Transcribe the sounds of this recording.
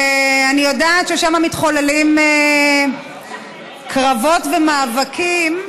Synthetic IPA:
anijo̞daːtʃeʃamamitχolelime | kʰʁavo̞tvemaːvakʰim

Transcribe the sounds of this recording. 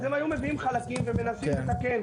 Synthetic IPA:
zemajume̞viimχalakimveme̞nasimlet̪aken

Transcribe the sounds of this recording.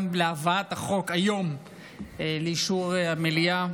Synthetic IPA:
nbleavaat̪haχo̞kajo̞m | leiʃuʁamelia

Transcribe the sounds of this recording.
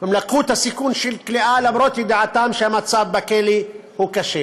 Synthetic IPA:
ɪmlaqːuːt̪asikuːnʃilkliʔaːlabɾot̪id̪aʕat̪aːmʃamat̪saːbbakelihukaʃe

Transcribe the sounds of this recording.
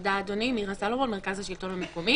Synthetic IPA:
d̪aːd̪onimiʁasalovomeʁkazhaʃilt̪o̞nhamekomi

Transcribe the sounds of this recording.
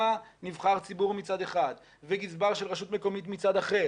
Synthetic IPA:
anivχaʁt͡sibuʁmit͡sad̪eχad̪ | veɡizbaʁʃelʁeʃut̪meko̞mit̪mit͡sad̪aχe

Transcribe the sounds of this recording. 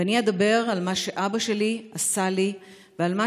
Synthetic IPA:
aniad̪abe̞ʁalmaʃe̞ʔabaʃe̞liasali | vealma

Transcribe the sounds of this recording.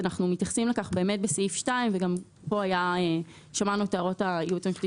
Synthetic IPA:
anaχnumit̪jaχsimlekaχbe̞eːme̞t̚beseifʃtaimveɡam | po̞ajae | ʃamanuteaʁo̞taiutemfti

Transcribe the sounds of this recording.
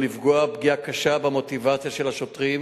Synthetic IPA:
livɡoabɡiakaʃabemo̞t̪ivat͡sjaʃe̞laʃot̪ʁim

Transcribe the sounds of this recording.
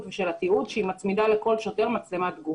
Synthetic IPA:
tveʃe̞lat̪iud̪ʃeimat͡smid̪ale̞ko̞lʃo̞te̞ʁmat͡slemad̪ɡu

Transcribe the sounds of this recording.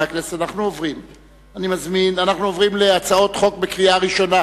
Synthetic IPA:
aknesanaχnuovʁim | animazminanaχnuovʁimleat͡sao̞t̪χo̞k̚bekʁiaʁiʃo̞na

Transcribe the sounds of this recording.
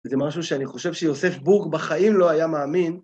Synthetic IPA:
zemaʃuʃeaniχo̞ʃe̞vʃejo̞se̞fbukbaχaimlo̞ajamaːmin

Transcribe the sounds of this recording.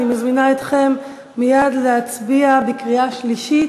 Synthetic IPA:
imazminaet̪χe̞mː | ijad̪leat͡sbiabekʁiaʃliʃi

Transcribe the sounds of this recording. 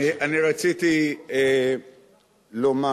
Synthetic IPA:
iʔaniɾat͡sitie | loma

